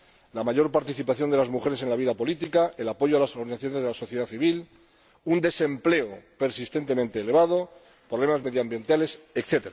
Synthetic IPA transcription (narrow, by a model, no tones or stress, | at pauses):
lamaʝo̞ɾpaɾt̪iθipaθjo̞nd̪elazmuxe̞ɾese̞nlaβ̞iðapo̞lit̪̬ikaelapo̞ʝoalasoɾðinaθjo̞ne̞zð̞elaso̞θjeð̞aθiβil | und̪e̞se̞mple̞ope̞ɾsist̪e̞nt̪e̞mẽnt̪e̞ːle̞βað̞o | pɾoβle̞mazme̞ðjambje̞nt̪alesekθe̞t̪eɾa